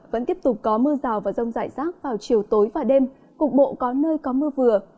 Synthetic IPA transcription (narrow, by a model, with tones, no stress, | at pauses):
və̰˧˥nt̪i˦˥əp̚t̪ʊ˨˩k͡p̚kɔ˨˦mɨ˧əzaː˨˩wvaː˨˩zə˧wŋ͡mza̰ː˧˨jzaː˦˥k̚vaː˨˩wt͡ɕi˨˩əwt̪o˨˦jvaː˨˩ɗe˧m | kʊ˨˩k͡p̚ɓo̰˧˨kɔ˨˦nəː˧jkɔ˨˦mɨ˧əvɨ˨˩ə